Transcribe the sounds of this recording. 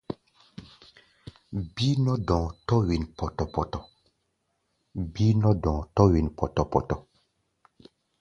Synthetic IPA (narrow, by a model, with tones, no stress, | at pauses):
bi˦nɔ˦dɔ̃˨tɔ˦wi˨npɔ˨tɔ˨pɔ˨tɔ˨ | bi˦nɔ˦dɔ̃˨tɔ˦wi˨n˨pɔ˨tɔ˨pɔ˨tɔ˨